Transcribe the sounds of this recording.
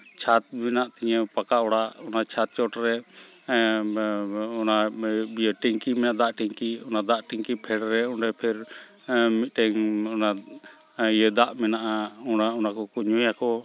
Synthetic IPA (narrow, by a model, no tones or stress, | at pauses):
t͡ʃʰat̪̚mɛnaʔt̪ɛɲɛpakaʔɔɽaʔɔnat͡ʃʰat̪̚t͡ʃɔʈɾɛ | ɔnabijəʈiŋkimɛnad̪aʔʈiŋkiɔnad̪aʔʈiŋkipʰɛɽɾɛɔnɾɛpʰɛɾ | mit̪̚ˀʈɛŋɔna | ijəd̪aʔmɛnaʔaɔnaɔnakɔkuɲujakɔ